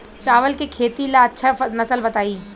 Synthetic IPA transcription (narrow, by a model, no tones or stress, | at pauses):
t͡ʃaːʋəlkekʰeːt̪ilaɐtːʃʰanɐsəlbɐt̪aːiː